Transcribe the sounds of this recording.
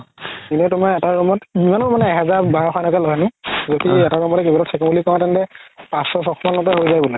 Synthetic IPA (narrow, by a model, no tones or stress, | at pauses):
inɛtʊmaɛtaɹɔmɔtimanmanɛːɦɛzaɹbaɹɔkʰɔnɔkalɔɦanizotiɛtakɔmɔtɛkebalɔtsʰɛkɔmulikɔ̃ɔ̃tɛntɛpãsɔsɔxʰɔmanːɔtɔjɦoɹjzajbulɛ